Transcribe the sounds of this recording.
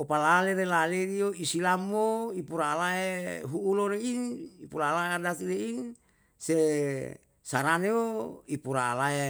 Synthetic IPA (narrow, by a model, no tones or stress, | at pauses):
opalaleɾelaleɾioisilamoipuɾaːlaɦeɦuːloɾeinipuɾaːlaeadasilein | se | saɾaneoipuɾa̰ːlaɦe